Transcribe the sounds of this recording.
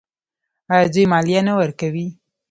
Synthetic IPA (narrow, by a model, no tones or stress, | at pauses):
ɑjɑd̪ujmɑlijanawəɾkawi